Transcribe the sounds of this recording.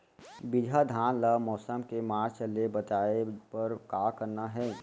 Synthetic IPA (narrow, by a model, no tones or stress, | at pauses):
bɪd͡ʒʱad̪ʱaːnləmɔːsəmkemaːɾt͡ʃəlebətaːepɐɾkaːkəɾnaɦɛː